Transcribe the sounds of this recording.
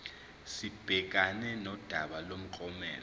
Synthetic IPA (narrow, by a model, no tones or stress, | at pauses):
sib̥ʱɛk̬ʼanɛnɔd̥ʱaɓalom̩ǃʼɔmɛ̰ːl